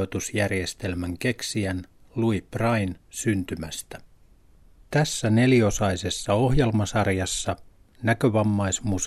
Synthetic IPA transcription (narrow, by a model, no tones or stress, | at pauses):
ot̪usjærje̞st̪e̞lmæŋke̞ksiæn | luib̥rɑinsynt̪ymæst̪æ | t̪æsːæne̞lio̞sɑjse̞sːɑo̞ɦje̞lmɑsɑrjɑsːɑ | nækøʋɑmːɑjsmus